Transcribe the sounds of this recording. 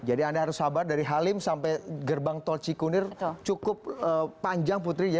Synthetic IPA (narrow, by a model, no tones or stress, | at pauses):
d͡ʒadiandaɦaɾʊshabardaɾiɦalɪmsampajɡərbaŋt̪ɔlt͡ʃikunɪrt͡ʃukʊp̚əaɲd͡ʒaŋp̬ut̪ɾia